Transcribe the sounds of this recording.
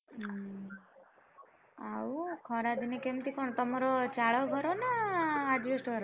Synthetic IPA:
aukʰɔɾad̪inekemt̪ikɔɳ̃t̪ɔmaɾot͡ʃaɭoɡʱɔɾonaːd͡ʒʋɔsʈɡɔɾ

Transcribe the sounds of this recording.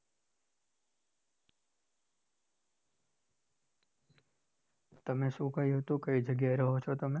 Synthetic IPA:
t̪əmẽʃũːkəiɦot̪ũkəid͡ʒəɡjaɾəɦot͡ʃʰot̪əmẽ

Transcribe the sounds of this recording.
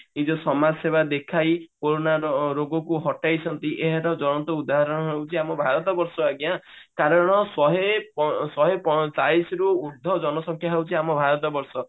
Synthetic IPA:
id͡ʒɔsɔmasebad̪ekʰajkoɾonaɾɔɾoɡɔkuɦɔʈajt͡ʃʰɔnt̪iʔeɦɛɾɔd͡ʒɔɽ̃ɔnt̪ɔud̪aɦaɾɔɽ̃ɔɦewt͡ʃʰiamɔbʱaɾɔt̪̬ɔbɔɾsɔaɡjakaɾɔɽ̃ɔsɔɦepɔsɔɦepɔt͡ʃaisɾuuɾd̪ʱɔd͡ʒɔnɔsɔŋkʰjaɦewt͡ʃʰiamɔbʱaɾɔt̪̬ɔbɔɾsɔ

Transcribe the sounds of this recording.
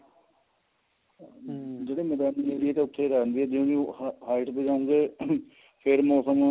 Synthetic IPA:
d͡ʒeːɽeːmɛːd̪aːnieːɾiɛːt̪eːʊt̪ʰːeːɾɛːnd̪iːɛːd̪eũːd͡ʒiɦaːɪʈpeːd͡ʒaːũŋɡeː | pʰɪɾmɛ̃səŋãː

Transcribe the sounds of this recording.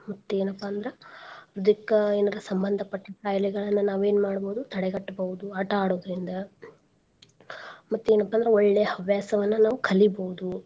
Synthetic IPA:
mɐt̪ːue̞ːnɐpːaːnd̪ɐɾɐɾud̪ikɐeːnɐɾɐsɐmbɐnd̪ʱɐpɐʈːɐkaːjlɛɡɐɭɐnːɐnaːʋeːnumaːɽboːud̪ut̪ʰɐɽɛɡɐʈːɐbɐɦud̪uɐʈɐaːɽoːd̪ɐɾind̪ɐ | mɐt̪ːueːnɐpːaːnd̪ɐɾɐɔɭːɛjɐɦɐʋjaːsɐʋɐnːɐnaːʋukʰɐliboɦud̪u

